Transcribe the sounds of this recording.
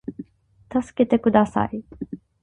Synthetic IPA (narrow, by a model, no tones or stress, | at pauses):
t̪asɨ̥ke̞t̪e̞kɯ̟d̪asa̰i